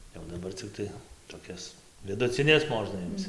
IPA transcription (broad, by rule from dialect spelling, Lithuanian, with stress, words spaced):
jɛʊ dɐˈbɐr t͡sʲɪˈktɐɪ toːˈkʲɛs ʋʲɪdʊt͡sʲɪˈnʲɛs ˈmoːʒnɐ ˈɪmt͡s